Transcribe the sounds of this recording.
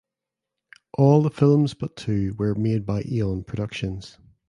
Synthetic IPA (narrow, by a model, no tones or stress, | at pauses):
ʔɔlˠðəfɪlˠmzbʌtʰʉːwə˞med̚baɪʔilˠə̃npʰɹ̥ədʌkʃə̃nz̥